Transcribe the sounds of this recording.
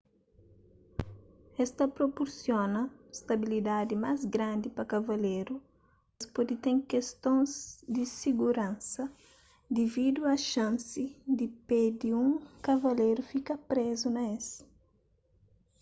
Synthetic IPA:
ɛst̪ɐpɾopoɾsjonɐst̪ɐbilid̪ad̪imazɡɾãnd̪ipɐkɐvɐleɾu | mɐspɔd̪it̪ɛ̃ŋkest̪õnzd̪isiɡuɾãnsɐ | d̪ivid̪uɐʃãnsid̪iped̪iũŋkɐvɐlejɾufikɐpɾezunɐes

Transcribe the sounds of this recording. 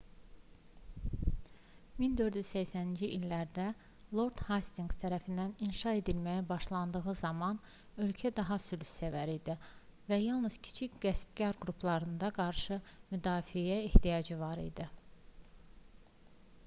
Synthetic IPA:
mind̪ø̞ɾd̪yz̥sæçsænind͡ʒiʔilːæɾd̪æ | lˠo̞ɾd̪̥hast̪iŋɡst̪ʰæɾæfind̪æninʃɑe̞d̪ilmæjæbɑʃlˠɑnd̪ɯɣɯzɑmɑn | ø̞lcʰæd̪ɑɦɑsylsævæɾid̪ivæjɑlˠnɯz̥cʰi̥t͡ʃʰicɡ̥æsb̚ɟɑɾɡɾupʰlˠɑɾɯnd̪ɑɡɑɾʃɯmyd̪ɑːfijæeht̪ijɑd͡ʒɯvɑɾḭd̪i

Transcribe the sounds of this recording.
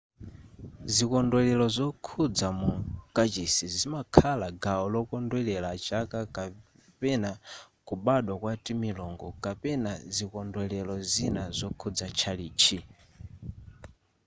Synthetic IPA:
zikɔndwɛlɛlɔzɔkʰud͡zamukat͡ʃisizimakʰalaɡaɔlɔkɔndwɛlɛlat͡ʃakaka | pɛnakuɓaɗwakwatimilɔŋɡɔkapɛnazikɔndɛlɛlɔzinazɔkʰud͡zat͡ʃʰaliːt͡ʃʰi

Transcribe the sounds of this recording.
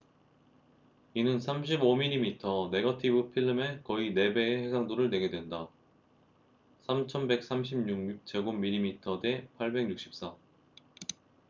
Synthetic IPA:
inɯnsʰamɕ̬ʰibomiʎːimitʰʌne̞ɡʌtʰibɯpʰiɭːɯme̞kʌine̞be̞ːhe̞sʰaŋdoɾɯɭne̞ɡe̞dwe̞nda | sʰamt͡ɕʰʌnbe̞k̚s͈ʰamɕʰimɲuŋk̚t͡ɕe̞ɡomːiʎːimitʰʌde̞pʰaɭbe̞ŋɲuk̚ɕ͈i̥p̚s͈a

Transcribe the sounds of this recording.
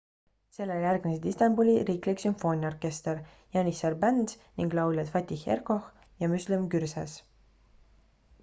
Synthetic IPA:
se̞lːejærɡ̥mised̪ist̪ɑmbulʲiɾiːkliksymfo̞ːnʲio̞rke̞st̪eɾ | jɑnisɑrbænd̪ | niŋɡlɑwlʲjɑt̪fɑt̪ʲːihḛrko̞x | jɑmyslimkyɾsɑs

